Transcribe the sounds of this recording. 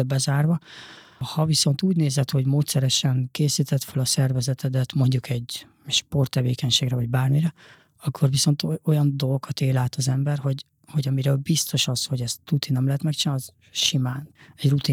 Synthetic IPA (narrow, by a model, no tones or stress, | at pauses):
bɛzaːrvɒ | hɒviso̞nt̪uːɟneːzɛt̪ho̞ɟmoːt̪sɛɾɛʃɛŋkeːsiːt̪ɛt̪følɒsɛrvɛzɛt̪ʰɛd̪ɛt̪mo̞ɲɟukʰɛɟ | ʃpo̞rt̪ːɛveːkɛɲʃeːɡrɛvɒɟbaːrmiɾɛ | ɒkʰːo̞rviso̞nt̪o̞jɒnd̪o̞lɡokʰɒt̪eːlaːt̪ɒzɛmbɛrho̞ɟ | ho̞ɟɒmiɾøːlbist̪o̞ʃɒsho̞ɟɛst̪rut̪inːɛmlɛɦɛt̪mɛkt͡ʃinz | ʃimaːnɛɟrut̪i